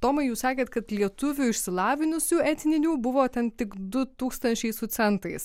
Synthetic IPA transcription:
t̪oːmɐɪjuːssɑːkʲeːt̪kɐt̪lʲiɛt̪ʊʋʲʊɪʃʲsʲɪlˠɑːʋʲɪnʲʊsʲuːɛt̪ʲnʲɪnʲuːbʊʋoːt̪ʲɛnt̪ʲɪkd̪ʊt̪uːkst̪ɐnʲt͡ʃʲɛɪsʊt̪sʲɛnt̪ɐɪs

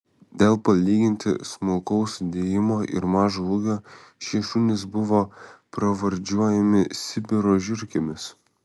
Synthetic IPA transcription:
d̪ʲeːlˠpɐlʲiːɡʲɪnʲt̪ʲɪ̰smʊlˠkɔʊsd̪ʲeːjɪmoːʔɪ̰ɾmɑːʒouːɡʲoːʃʲiɛʃʊnʲɪsbʊʋoːpɾɐʋɐɾʲd͡ʒʲuɔjɛmʲɪsʲɪbʲɪɾoːʒʲɪɾʲkʲɪmʲɪs

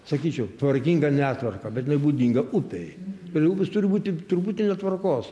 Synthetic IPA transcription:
sɐkʲiːt͡ʃʲɛʊt̪ʋɐɾʲkʲiŋɡɐnʲæːt̪ʋɐrkɐbʲɛt̪ʲjɪnɐɪbuːd̪ʲiːŋɡɐʔʊpʲejt̪ʊɾʲɛɪʊpʲɪst̪ʊɾʲɪbuːt̪ʲɪt̪ʊɾpuːt̪ʲɪnʲɛt̪ʋɐrkoːs

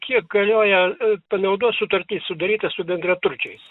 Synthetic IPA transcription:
kʲiɛk̚ɡɐlʲoːjɛpɐnɐʊd̪uɔt̪sʊt̪ɐɾʲt̪ʲiːssʊd̪ɐɾʲiːt̪ɐsʊbʲɛnd̪ʲrʲɐt̪ʊɾʲt͡ʃʲɛɪs

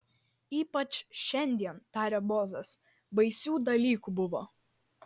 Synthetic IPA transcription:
iːpɐt͡ʃʃʲɛnʲd̪ʲiɛnt̪ɑːɾʲɛːboːzɐs | bɐɪsʲuːd̪ɐlʲiːkubʊʋo̰ː

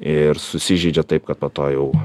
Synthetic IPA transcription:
ɪɾsʊsʲɪʒʲɛɪd͡ʒʲɛt̪ɐɪp̚kɐt̪poːt̪oːjɛʊ

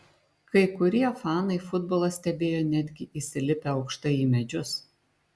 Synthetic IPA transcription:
kɐɪkʊɾʲiɛfɑːnɐɪfʊd̪boːlˠɐsʲt̪ʲɛbʲeːjoːnʲæːd̪ʲɡʲɪʔiːsʲɪlʲɪpʲeɒʊkʃt̪ɐɪiːmʲɛd͡ʒʲʊs

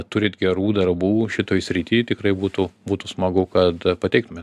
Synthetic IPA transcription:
t̪ʊɾʲɪːt̪ɡʲɛɾuːd̪ɐrbuːʃʲɪt̪oːjsʲɾʲit̪ʲiːt̪ʲɪkrɐɪbuːt̪ʊbuːt̪ʊsmɐɡɐʊkɐt̪pɐt̪ʲɛɪkt̪ʊmʲet̪

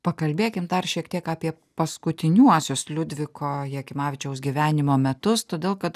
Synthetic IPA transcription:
pɐkɐlʲbʲeːkʲɪmd̪ɐrʃʲiɛk̚t̪ʲiɛkɑːpʲiɛ | pɐskʊt̪ʲɪnʲuɔsʲʊslʲʊd̪ʲʋʲɪkoːjɛkʲɪmɑːʋʲɪt͡ʃʲɛʊsɡʲiʋʲæːnʲɪmoːmʲɛt̪ʊst̪oːd̪ʲeːlˠkɐt̪

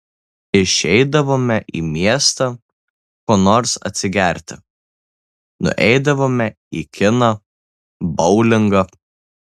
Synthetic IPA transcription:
ɪʃʲɛɪd̪ɐʋoːmʲɛʔḭːmʲiɛst̪ɐ | koːnoːɾsɐ̰t̪ʲsʲɪɡʲæˑɾʲt̪ʲɪ | nʊ̰ʔɛ̰ɪd̪ɐʋoːmʲɛ | ikʲɪnɐ | bɒʊlʲɪŋɡɐ

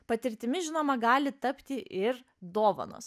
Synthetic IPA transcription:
pɐt̪ʲɪɾʲt̪ʲɪmʲɪʒʲɪnoːmɐɡɑːlʲɪt̪ɐpʲt̪ʲɪʔɪɾ | d̪oːʋɐ̰no̰ːs

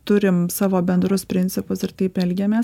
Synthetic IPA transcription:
t̪ʊɾʲɪmsɑːʋoːbʲɛnd̪ɾʊspʲɾʲɪnʲt̪sʲɪpʊsɪɾt̪ɐɪpɛlʲɡʲeːmʲeːs

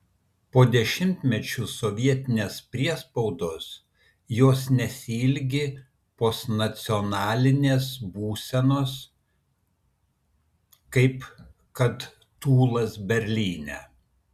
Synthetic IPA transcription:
poːd̪ʲɛʃʲɪmʲt̪ʲmʲɛt͡ʃʲʊsɔʋʲiɛt̪ʲɪnʲeːspʲɾʲiɛspɒʊd̪oːs | joːsnʲɛsʲilʲɡʲɪ | poːsnɐt̪sʲɪɔnɑːlʲɪnʲeːsbuːsʲɛnoːs | kɐɪp | kɐt̪ | t̪uːlˠɐsbʲɛɾʲlʲiːnʲɛ

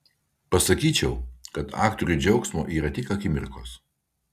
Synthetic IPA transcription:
pɐsɐkʲiːt͡ʃʲɛʊkɐt̪ʰɑ̰ːkt̪ɔɾʲʊd͡ʒʲɛʊksmoːʔiːɾɐt̪ʲɪkɐkʲɪmʲɪ̰ɾko̰ːs

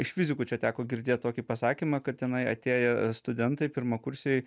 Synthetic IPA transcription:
ɪʃʲfʲɪzʲɪkuːt͡ʃʲɛt̪ʲæːkoːɡʲɪɾʲd̪ʲeːt̚t̪oːkʲipɐsɑːkʲiːmɑːkɐt̪tʲɛnɐɪɐ̰t̪ʲeːjɛst̪ʊd̪ʲɛnt̪ɐɪpʲɪɾmɐkʊɾʲsʲeː

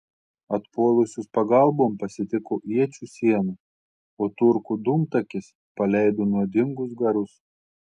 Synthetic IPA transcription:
ɐt̪puɔlˠʊsʲuːspɐɡɐˑlˠboːmpɐsʲɪt̪ʲɪkoːʔiɛt͡ʃʲuːsʲiɛnu | oːt̪ʊɾkud̪ʊmt̪ɐkʲɪs | pɐlʲɛɪd̪oːnuɔd̪ʲɪŋɡʊsɡɐɾʊs

